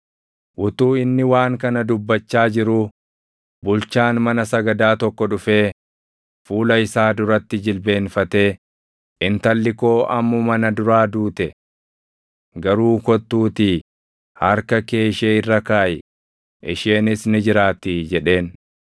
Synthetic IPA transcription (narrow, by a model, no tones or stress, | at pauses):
ʔʊt̪uːɪnːɪwaːŋkɐnɐd̪ʊbːɐt͡ʃːaːd͡ʒɪɾu | bʊlt͡ʃaːnmɐnɐsɐɡɐd̪aːt̪ɔkːɔᶑʊfe̞ː | fuːlɐɪsaːd̪ʊɾɐt̪ːɪd͡ʒɪlbe̞ːnfɐt̪e̞ː | ʔɪnt̪ɐlːɪko̞ːʔɐmːʊmɐnɐd̪ʊɾaːd̪uːt̪ɛ | ɡɐɾuːkɔt̪ːuːt̪i | hɐɾkɐke̞ːʃeːɪrːɐkaːjɛ | ʔɪʃeːnɪsnɪd͡ʒɪɾaːt̪iːd͡ʒɛᶑe̞ːn